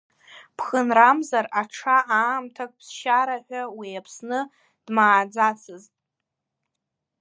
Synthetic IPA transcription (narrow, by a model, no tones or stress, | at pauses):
pʰχənramzaraʈ͡ʂʰaʔaːmtʰakʼpʰsʃaɾaħʷᶣawijapʰsnɨ | d̥maːd͡zat͡sʰɨztʼ